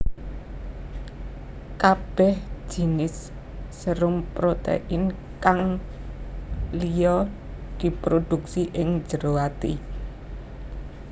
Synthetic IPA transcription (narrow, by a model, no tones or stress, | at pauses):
kab̥ɛhʒ̥i̤nɪsː | əɾʊmpɾot̪ḛʔɪn | kaŋ | lijɔ | d̪̥i̤pɾod̪̥ṳksiʔɪŋd͡ʒ̥əɾowat̪ḭ